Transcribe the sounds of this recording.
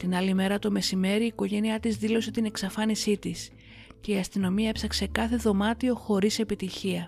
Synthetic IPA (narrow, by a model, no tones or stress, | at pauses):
t̪inɐlime̞ɾɐt̪o̞me̞sime̞ɾiːko̞ʝe̞niɐt̪izðilo̞se̞t̪ine̞ksɐfɐnisit̪is | ce̞iɐst̪ino̞miɐepsɐkse̞kɐθe̞ðo̞mɐt̪io̞xo̞ɾise̞pit̪içiɐ